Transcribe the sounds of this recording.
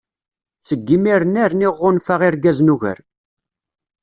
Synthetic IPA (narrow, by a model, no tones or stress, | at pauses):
t͡səɡːimiɾənæɾniʁːʊnfaʁɪɾɡæznuʝə̰ɾ